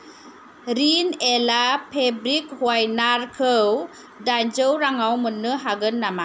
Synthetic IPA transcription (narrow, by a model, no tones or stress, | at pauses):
ɾinelapʰebɾik̚hwajnaɾkʰəw | daɲd͡ʒɯwɾaŋawmɯnːɯɦaɡɯnːama